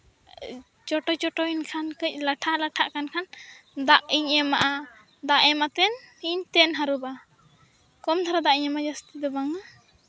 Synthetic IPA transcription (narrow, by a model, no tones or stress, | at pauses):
t͡ʃɔʈɔt͡ʃɔʈɔinkʰankəc̚ˀlaʈʰalaʈʰaʔkankʰand̪aʔiɲɛmaʔa | d̪aʔɛmat̪ɛnhiɲt̪ɛnɦaɾuba | kɔmt̪ʰaɾad̪aʔiɲɛmad͡ʒast̪id̪ɔbaŋa